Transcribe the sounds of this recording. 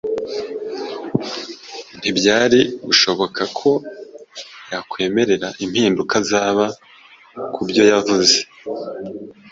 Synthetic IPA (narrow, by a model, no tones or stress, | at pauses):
n̥ibɟaːɾibuʃo̞βo̞kʰakʰo̞ | jakwe̞ːme̞ɾe̞ɾaʔimhiːndukazaːβa | kʰubjo̞javuze̞